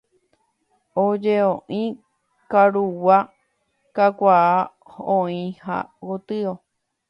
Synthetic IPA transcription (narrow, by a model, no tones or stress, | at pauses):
od͡ʒeõʔĩ | kaɾuwa | kakʷaː | hõĩha̰wot̪ɨo